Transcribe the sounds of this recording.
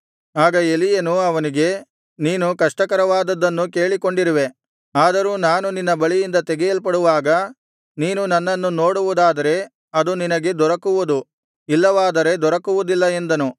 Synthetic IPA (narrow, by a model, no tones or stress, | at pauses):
aːɡɐe̞lijɐnuɐʋɐniɡe̞ | niːnukɐʂʈɐkɐɾɐʋaːd̪ɐd̪ːɐnːuke̞ːɭiko̞ɳɖiɾiʋe̞ | aːd̪ɐɾuːnaːnuninːɐbɐɭijind̪ɐt̪ɛɡɛjɐlpɐɽuʋaːɡɐ | niːnunɐnːɐnːuno̞ːɽuʋud̪aːd̪ɐɾe̞ | ɐd̪uninɐɡe̞d̪ɔɾɐkuʋud̪u | ilːɐʋaːd̪ɐɾe̞d̪ɔɾɐkuʋud̪ilːɐend̪ɐnu